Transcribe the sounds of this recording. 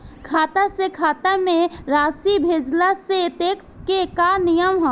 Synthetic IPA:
kʰaːt̪asekʰaːt̪amẽɾaːsibʱeːd͡ʒlaset̪eːkskekanijəmɦɔ̃

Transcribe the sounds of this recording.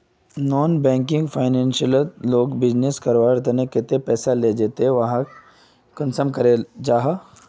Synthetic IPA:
nɔːnbɛ̃ːŋkɪ̃ŋɡfʰaːɪnɛ̃nʃəlloːɡbɪd͡ʒneskəɾʋaːɾt̪ɐnekɪt̪epɛːsaled͡ʒeːt̪eʋɐɦã | kənsəmkɐɾed͡ʒaːɦa

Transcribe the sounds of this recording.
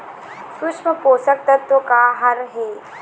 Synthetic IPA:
sʊʂməpoːsək̚t̪ət̪ːokaːɦɐɾɦeː

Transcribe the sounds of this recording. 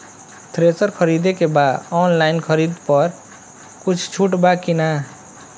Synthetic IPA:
t̪ʰɾesʌɾkʰʌɾid̪ekebad̪ɔnlaɪnkʰʌɾid̪pʌɾ | kut͡ʃʰt͡ʃʰuʈbakina

